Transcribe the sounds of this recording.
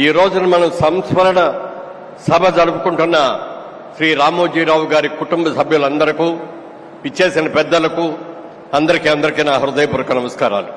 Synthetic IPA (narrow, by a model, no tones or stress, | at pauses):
iːɾo̞ːd͡ʒunɐmɐnɐmsɐmspɐɾɐɳɐ | sɐbʱɐd͡ʒɐɽupukuɳʈunːɐ | ʃɾiːɾaːmoːd͡ʒiːɾaːwuɡaːɾikuʈumbɐsɐbʱjulɐnd̪ɐɾikuː | it͡ʃːe̞ːsinɐpɛd̪ːɐlɐku | ɐnd̪ɐɾikiːɐnd̪ɐɾikiːnaːɦɐɾud̪ɐjɐpuɾɐkɐnɐmɐskaːɾa̰ːlu